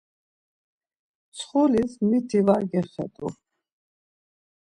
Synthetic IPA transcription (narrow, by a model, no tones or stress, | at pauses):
t͡ssʰχulismit̪ʰivaɾɡɛχɛ̰t̪ʼṵ